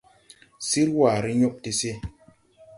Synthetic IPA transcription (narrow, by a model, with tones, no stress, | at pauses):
si˦ɾwa˨ɾi˦ɲo˦ʔ̚te˦se˦